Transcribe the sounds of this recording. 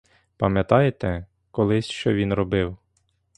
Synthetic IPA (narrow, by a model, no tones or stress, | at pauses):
pɐmjɐt̪ɑjet̪ɛ | kɔlˠɪsʲʃt͡ʃɔʋʲinɾɔbɪw